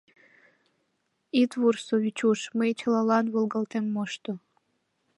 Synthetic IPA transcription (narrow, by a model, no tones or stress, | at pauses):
it̪βursoβʲit͡ɕuʃməjt͡ɕəlɑlɑnβolˠɣɑlt̪emːoʃt̪o